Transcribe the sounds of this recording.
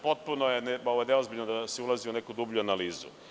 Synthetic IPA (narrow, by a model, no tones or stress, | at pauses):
pot̪̚punojeneoʋojneozbiʎnod̪aseulˠaziunekud̪ubʎʲuanaliːzṵ